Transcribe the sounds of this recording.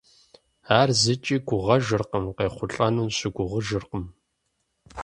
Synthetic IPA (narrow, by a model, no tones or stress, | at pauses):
aːrzɨt͡ʃʼiːɡʷʊʁɐʒɨrqəmqeːχʷʊɬʼɐnumɕɪɡʷʊʁəʒɨrqəm